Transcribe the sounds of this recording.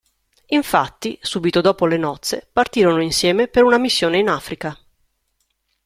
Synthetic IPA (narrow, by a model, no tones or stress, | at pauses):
iɱfat̪ːisuːbit̪od̪ɔːpolenɔt̪sːepart̪iːɾonoinsjɛːmepeɾunamisːjoːneinaːfɾika